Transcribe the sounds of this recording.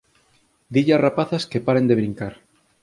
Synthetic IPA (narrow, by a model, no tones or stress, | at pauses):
d̪iʎarapaθaskepaɾend̪eβɾiŋkaɾ